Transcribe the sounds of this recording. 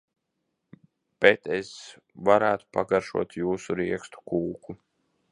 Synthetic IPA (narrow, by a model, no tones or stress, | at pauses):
b̥et̪es | vaɾæːt̪u̥paɡaɾʃṵɔt̪juːsuɾiɛkst̪u̥kuːku